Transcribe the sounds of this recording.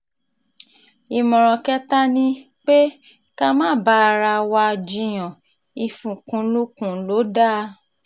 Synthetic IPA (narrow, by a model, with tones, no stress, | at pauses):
i˨mɔ̃˨ɾ̃ɔ̃˨kɛ˦ta˦nĩ˦ | k͡pe˦ | ka˦mã˦˨ba˦˧ɾa˧wa˧d͡ʒĩ˧j̃ɔ̃˨ | i˧fũ˨kũ˧lu˦kũ˦˨lo˨˦da˦˨